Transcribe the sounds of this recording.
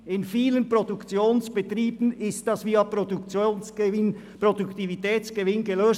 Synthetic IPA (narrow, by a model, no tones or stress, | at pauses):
ɪnfiːlənpɾodukt͡sjoːnsb̥ətriːbn̩ɪstd̥ɑsviːɑpot͡sonn | pɾoduktivitɛːt͡sɡ̥əvɪnɡəløːs